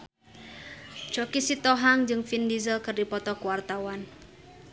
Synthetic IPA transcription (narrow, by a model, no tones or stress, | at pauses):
d͡ʒ̥okisit̪ɔɦaŋd͡ʒɨŋfindizəlkɨrdipɔt̪ɔkuwart̪awan